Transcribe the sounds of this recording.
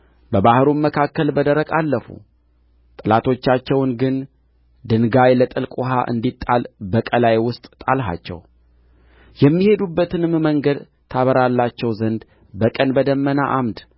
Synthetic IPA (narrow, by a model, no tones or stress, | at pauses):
bəbahɾunməkʰakːəlbəd̪əɾəkʼalːəfṵ | t̪ʼɨlat̪ʰo̞t͡ʃːat͡ʃːɛwnɡɨn | d̪ɨnɡajlət̪ʼɨlkʼuɦa̰ʔɨ̰nd̪it̪ʼːalbəkʼəlajwʊst̪ʼt̪ʼalɦa̰t͡ʃːɛ̰w | jɛmːihe̞d̪ubːət̪ɨnɨmməŋɡəd̪ | t̪ʰaβəɾalːat͡ʃːɛwzənd̪ | bəkʼənbəd̪əmːənaʔamd̪